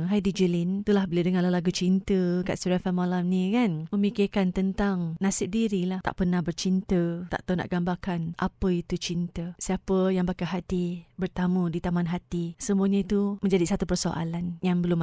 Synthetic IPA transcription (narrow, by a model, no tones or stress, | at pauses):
ŋɦajdid͡ʒulint̪ulahbəladəŋalalaɡut͡ʃint̪əka̰ʔsuɾafamalamnĩkanməmikirkant̪ənt̪aŋnasɪp̚diɾilaht̪a̰ʔpərnahbərt͡ʃint̪ət̪a̰ʔt̪ana̰ʔɡambakanʔapəit̪ut͡ʃint̪əsiapəjaŋbakaɦat̪ibərt̪amudit̪amanɦat̪isəmũaɲait̪umə̃ɲd͡ʒadisat̪upərsoʔa̰lanjaŋbəlʊm